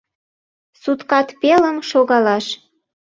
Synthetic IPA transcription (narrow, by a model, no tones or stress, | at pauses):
sut̪kɑt̪peləmʃoɣɑlɑʃ